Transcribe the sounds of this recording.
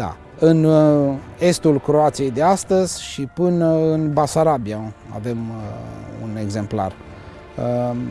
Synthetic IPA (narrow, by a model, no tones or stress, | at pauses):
d̪a̰ | ɨn | e̞st̪ulkɾo̞at̪sije̞jd̪east̪əzʲʃipɨnəɨnbasaɾabiaa̰ve̞m | ṵne̞ɡze̞mpla̰r | ə